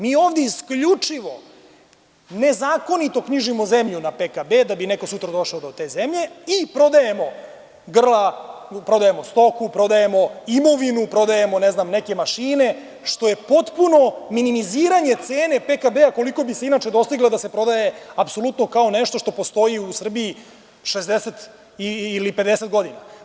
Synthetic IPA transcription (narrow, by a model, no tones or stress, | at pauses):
miːo̞ːʋd̪jeiskʎut͡ʂiʋo̞̰ | ne̞zaːko̞nit̪o̞kɲiʒimozemʎunapekabed̪abineko̞sut̪ɾad̪o̞ʃaod̪o̞t̪e̞ːzemʎe̞ipɾo̞d̪aje̞mo̞ | ɡr̩lapɾo̞d̪ajemo̞st̪o̞kupɾo̞d̪aje̞mo̞imo̞ʋinupɾo̞d̪ajemo̞neznamneke̞maʃiːne̞ | ʃt̪o̞je̞po̞t̪puno̞minimiziːɾaɲe̞t̪se̞ːne̞pekabeako̞liko̞biseinat͡ʃe̞d̪o̞st̪iɡlˠod̪ase̞pɾo̞d̪aje̞apso̞lut̪no̞kaoneʃt̪o̞ʃt̪o̞po̞st̪o̞iusr̩biː | ʃezd̪eset̪ | iiliped̪eset̪ɡo̞d̪ina